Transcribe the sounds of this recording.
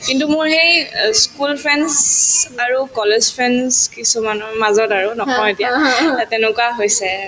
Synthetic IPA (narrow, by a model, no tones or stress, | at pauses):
kintumʊɹɦejskulpʰɹɛnzaɹukɔlezpʰɹɛnzkisumanɔmazɔtaɹunɔɦɔjetijatɛnʊkwaɦojsɛ